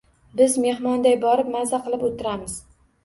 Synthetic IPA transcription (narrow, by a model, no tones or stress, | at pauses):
bɪzme̞hmɒnd̪ajbɒɾɪp̚mazaqɨlˠɪpot̪ʰːɪɾamɪz̥